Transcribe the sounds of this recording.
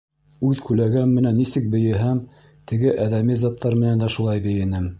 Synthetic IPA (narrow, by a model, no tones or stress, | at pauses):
ʉðkʉlæɡæmːɘ̆nænːisɘk̚bɘ̆jɘ̆ɦæm | t̪ʰɘ̆ɡɘʔæðæmizɑt̪ːɑɾmɘ̆nænd̪æʃulˠɑjbɘ̆jɘ̆nɘm